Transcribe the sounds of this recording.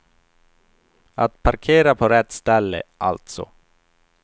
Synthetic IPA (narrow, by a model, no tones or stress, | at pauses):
at̪pʰaɾkʰeːɾapʰoɾɛt̪ːst̪ɛlːə̰ʔalt̪sɔ̰